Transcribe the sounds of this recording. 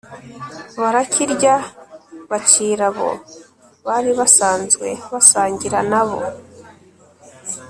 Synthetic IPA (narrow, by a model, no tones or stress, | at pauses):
βaɾacʰiɾɟa | βat͡ʃiɾaβo̰ | βaɾiβasaːnzɡwe̞̰βasaːɲɟiɾanaβo̰